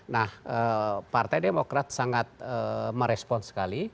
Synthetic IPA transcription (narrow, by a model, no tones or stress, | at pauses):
nahəpart̪ajdemokɾat̪̚saŋat̪̚əməɾɛspɔnsə̥kali